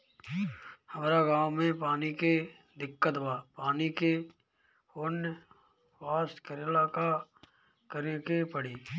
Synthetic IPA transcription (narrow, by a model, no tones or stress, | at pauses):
həmːɾaɡaːwmẽpaːnike | d̪ɪkːət̪baːpaːnike | honj | waːst̪kəɾelaːka | kəɾekepəɽiː